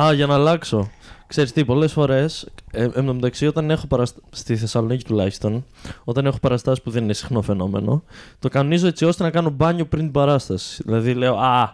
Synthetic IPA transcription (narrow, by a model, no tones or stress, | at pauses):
ɐʝɐnɐːlɐkso̞kseɾist̪ipo̞le̞sfo̞ɾe̞seemomet̪ɐksio̞t̪ɐne̞xo̞pɐɾɐsst̪iθe̞sɐlo̞nici̥t̪ulɐçi̥st̪o̞no̞t̪ɐne̞xo̞pɐɾɐst̪ɐsi̥puðe̞ninesi̥xno̞fe̞no̞me̞̰no̞̰t̪o̞kɐnonizo̞e̞t͡sio̞st̪e̞nɐkɐno̞bɐɲo̞pɾint̪ibɐɾɐst̪ɐsi̥ðilɐðile̞oɐ